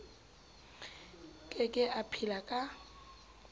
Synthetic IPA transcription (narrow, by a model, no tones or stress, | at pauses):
kʼɪkʼɪʔapʰilakʼa